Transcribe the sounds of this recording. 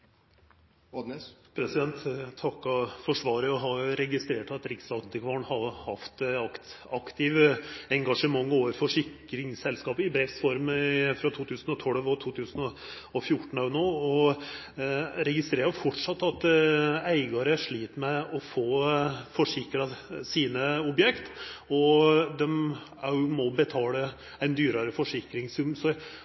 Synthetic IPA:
pʰɾɛsɪd̪ɛnt̪t̪ʰːɑkːɑfɔʂʋɑːɾəjʊɦɑɾʊɾɛɡɪst̪ɾeːʈɑt̪ɾɪksɑt̪ɪkʋɑɳhɑhɑft̪ɑkt̪ | ɑkt̪ɪʋɛŋɡɑʂəmɑŋːoːʋəɾfɔʂɪkː | ɾɪŋsɛlskɑːpɪbɾɛfsfɔɾmfɾɑt̪ʰuːt̪ʰʉːsənɔt̪ʰɔlʋɔt̪ʰuːt̪ʰʉːsənɔ | ɔfjʊʈːɳ̩ɑnoːɔ | ɾɛɡɪst̪ɾeːɾəɾfɔʈʂɑt̪ːɑt̪æɪɡɑɾəʂɭiːt̪mɛɔfoːfɔʂɪkɾɑsiːnəɔbjɛkt̪ɔd̪ɛm | ɑmɔbət̪ʰɑːlə | æɪnd̪yːɾəɾəfɔʂɪkɾɪŋsʉmsɔ

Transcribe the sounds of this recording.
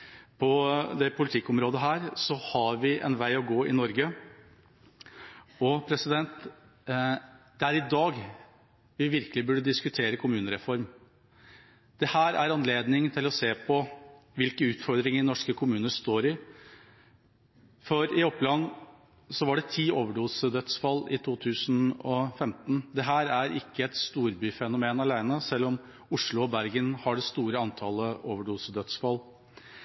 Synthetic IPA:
pʰɔd̪ɛpʰʊlɪt̪ʰɪkːɔmɾoːd̪əɦæːɾsɔhɑɾʋɪʔɛ̰nʋæɪɔɡoːɪnɔɾɡə | ɔpʰɾɛsɪd̪ɛnt̪ | d̪̥ɛæɾɪd̪ɑːɡ | ʋɪʋɪɾkəlɪbʉɖːəd̪ɪskʉt̪ʰeːɾəkʰʊmʉːnəɾɛfɔɾm | d̪̥ɛhæːɾæ̰ɾɑnleːd̪nɪŋt̪ʰɪlɔseːpʰɔ | ʋɪlkəʉːt̪fɔɾd̪ɾɪŋənɔʂkəkʰʊmʉːnəst̪oːɾɪ | fɔɾɪɔpːlɑnː | sɔʋɑɖɛt̪ʰiːoːʋəɖuːsəd̪œt̪sfɑlːɪt̪ʰuːt̪ʰʉːsnɔfɛmt̪n̩d̪ɛɦæːɾæɾɪkːəɛt̪st̪uːɾbyːfɛnʊmeːnɑlæɪnəsɛlːɔm | ʊʂlʊɔbæɾɡənhɑɖɛst̪uːɾəɑnt̪ʰɑːləoːʋəɖuːsəd̪œt̪sfɑlː

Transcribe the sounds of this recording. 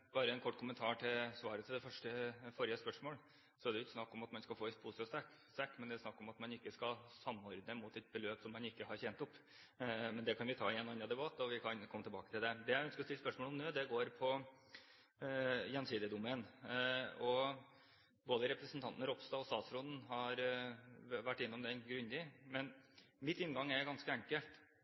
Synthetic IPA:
b̥ɑːɾəɛnkʰɔʈːkʰʊmənt̪ʰɑːʈʰɪlsʋɑːɾət̪ʰɪld̪ɛfœʂʈəfɔːɾɪəspœʂmoːl | sɔæd̪ɛjʊɪt̪snɑkːɔmɑt̪mɑnskɑlfoːɪt̪pʰuːsəɔsɛk | st̪ɛkːmɛnd̪ɛsnɑkːɔmɑt̪mɑnɪkːəskɑsɑmːɔɾd̪nəmuːt̪ɛt̪̚bəløːpsɔmːɑnɪkːəhɑɾçɛnt̪ʊpː | mɛnd̪ɛkʰɑnʋɪt̪ʰɑ̰ːɪɛnɑnːɾɑd̪ɛbɑt̪ːɔʋɪkʰɑnkʰɔmːət̪ʰɛbɑ̰ːkət̪ɪld̪ɛd̪ɛjæœnskəɾɔst̪ɪlspœʂmoːlɔmnøːd̪ɛɡoːɾpʰɔ | jɛnːsiːd̪əd̪ʊmen | ɔ | boːd̪əɾɛpɾəsənt̪ʰɑnt̪nəɾɔpst̪ɑɔst̪ɑːt̪sɾɔd̪n̩ɦɑɾ | ʋæʈːɪnːɔmd̪ɛnɡɾʉnd̪ɪmɛnmɪt̪ːɪnɡɑŋːɛɾɡɑnskəæŋkəlt̪

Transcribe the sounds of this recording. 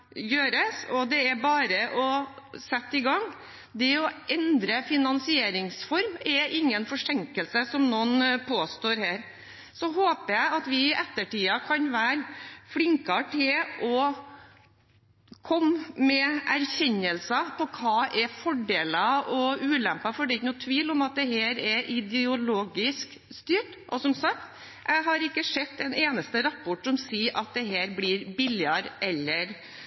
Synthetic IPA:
jøːɾəsɔd̪ɛæɾbɑːɾəʔɔsɛt̪ːɪɡɑŋː | d̪ɛɔʔɛnd̪ɾəfɪnɑnsɪeːɾɪŋsfɔɾmɛɾɪŋːənfɔʂɛŋkəlsəsɔmnoːnpʰoːst̪oːɾhæːɾ | sɔɦoːpəjæɪɑt̪ʋɪʔɛt̪ːəʈiːɑkʰɑnʋæːɾfɽɪŋkɑʈʰɪlʔɔ | kʰɔmmɛʔæɾçɛɲːəlsɑpʰɔkʰɑːʔɛfɔɖeːlɑʔɔʉːlæmpɑfɔɖɛɪkənʊt̪ʰʋiːlɔmɑt̪̚d̪ɛheːɾɛʔɪd̪ɛʊloːɡɪsk | st̪yːʈ | ʔɔsɔmsɑk̚t̪ | jʔæɪɦɑɾɪkːəʂɛt̪ːɛneːnəst̪əɾɑpːɔʈsɔmsiːʔɑt̪̚d̪ɛɦeːɾbliːɾbɪlɪɑɾʔɛlːəɾ

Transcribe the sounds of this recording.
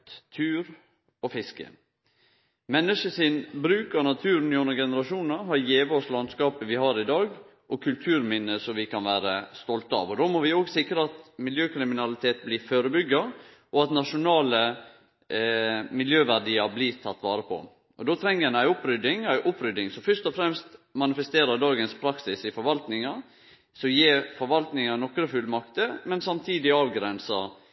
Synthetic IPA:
t̪t̪ʰʉːɾ | ɔfɪskə̰ | mɛnːəʂəsɪnbɾʉːkɑɾnɑt̪ʰʉːɾn̩ɪʉnːəɾɡɛnəɾɑʂuːnnəɦɑɾjeːʋəɔslɑnskɑːpəʋɪhɑɾɪd̪ɑːɡ | ʔɔkʰʉlt̪ʰʉːɾmɪnːəsɔmʋɪkʰɑnʋæːɾəst̪ɔlt̪ɑ̰ːʋɔd̪oːmɔʋɪoːɡsɪkɾəɑt̪mɪljøːkʰɾɪmɪnɑlɪt̪ʰeːt̪blɪføːɾəbʏɡːɑ | ʔɔɑt̪nɑʂʊnɑːlə | mɪljøːʋæɖiːəɾblɪt̪ʰɑt̪ːʋɑːɾəpʰɔ̰ | ʔɔd̪oːt̪ʰɾɛŋːəɛnæɪʊpːɾʏd̪ɪŋæɪʔʊpːɾʏd̪ɪŋsɔfœʂt̪ɔfɾɛmst̪mɑnɪfɛst̪eːɾəd̪ɑːɡənspʰɾɑksɪsɪfɔɾʋɑlt̪nɪŋɑ | sɔjeːɾfɔɾʋɑlt̪nɪŋɑnɔkːɾəfʉlmɑkt̪əmɛnsɑmt̪ʰiːd̪ɪɑːʋɡɾɛnsɑ

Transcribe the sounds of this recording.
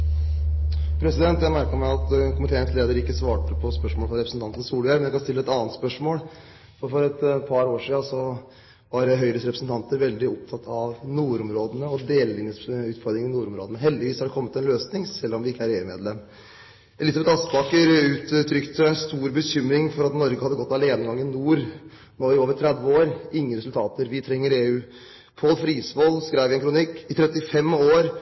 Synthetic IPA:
pʰɾɛsɪd̪ɛnt̪jæɪmæɾkəɾmæɪɑt̪kʊmɪt̪ʰeːnəsleːd̪əɾɪkːəsʋɑːʈəpʰɔspœʂmoɔːlfɾɑɾɛpɾəsn̩t̪ɑnt̪ən̩suːlʏæɾmɛnjækɑnst̪ɪlːəɛt̪ɑːənt̪spœʂmoːl | fɔɾfɔɾɛt̪pʰɑɾoːʂiːɑsɔ | ʋɑɾɦœʏɾəsɾɛpɾəsnt̪ʰɑnt̪əɾʋɛld̪ɪɔpt̪ʰɑt̪ʰːɑʋnuːɾʊmɾoːd̪ənəɔd̪eːlɪnəʉːt̪fɔɾd̪ɾɪŋnɪnuːɾʊmɾoːd̪nəɦɛld̪ɪʋiːshɑɖɛkʰɔmːət̪ɛnløːsnɪŋsɛlːɾɔmʋɪɪkːəæːɾeːʉːmeːd̪lɛmː | ʔɛlɪs̬ɑbɛt̪ɑspɑːkəɾʉːt̪t̪ʰɾʏkt̪əst̪uːɾbəɕʏmɾɪŋfɔɾɑt̪nɔɾɡəhɑd̪ːəɡɔt̪ːɑleːnəɡɑŋːɪnuːɾ | noːɪoːʋəɾʈ̪ʰɾɛd̪ʋəoːɾɪŋːəɾɛsʉlt̪ʰɑːt̪əɾʋɪt̪ʰɾɛŋːəɾeːʉː | pʰolfɾiːsʋɔlskɾæɪʋɪɛnkʰɾʊnɪkːɪt̪ʰɾɛt̪ːɪfɛmoːɾ

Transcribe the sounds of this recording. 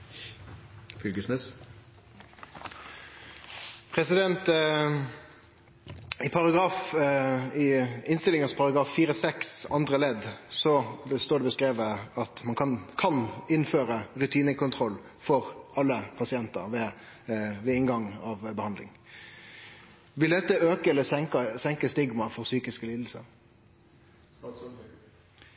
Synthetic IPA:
fʏlɡəsnɛs | pʰʁɛsɪd̪ɛnt̪ | ɪpʰɑʁɑɡʁɑːf | ɪɪnst̪ɪlɪŋəspʰɑʁɑɡʁɑːfːiːʁəsɛksɑnd̪ʁəlɛd̪sɔbəst̪oːd̪ɛbəskʁeːʋəɑt̪mɑnkʰɑnkʰɑnɪnføːɾəʁʉt̪ʰiːnəkʰʊnt̪ʰʁɔlː | fɔʁɑlːəpʰɑsɪɛnt̪ə̰ʁʋɛ | ʋɛɪnɡɑŋːɑʋbəhɑnd̪lɪ̰ŋ | ʋɪld̪ɛt̪ːəøːkəɛləsɛŋkəsɛŋkəst̪ɪɡmɑfɔʁsyːkɪskəliːd̪l̩sə̰ʁ

